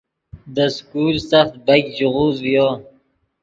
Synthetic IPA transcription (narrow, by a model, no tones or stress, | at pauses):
d̪əskulsaxt̪̚bajkd͡ʒuʁuːzwijo